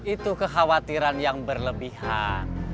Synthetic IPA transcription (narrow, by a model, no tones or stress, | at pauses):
ʔit̪ukəxawat̪iɾanjaŋbərləbihan